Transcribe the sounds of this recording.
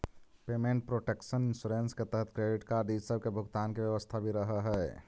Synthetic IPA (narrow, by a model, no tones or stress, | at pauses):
pemẽɳʈ̚pɾoʈekʃənɪnsuːɾensket̪əɦət̪ʰkɾeɖɪʈkaɾɖ̪id͡ʒsəb̚kebʱʊɡt̪aːnkebjəʋəst̪ʰabʱiɾəɦəɦɛ